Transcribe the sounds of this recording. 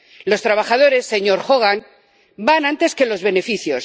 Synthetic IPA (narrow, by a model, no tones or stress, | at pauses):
lo̞st̪ɾaβ̞axað̞o̞ɾe̞sːe̞ɲo̞ɾxo̞ɣ̞an | banãnt̪e̞ske̞lo̞zβe̞ne̞fiθjo̞s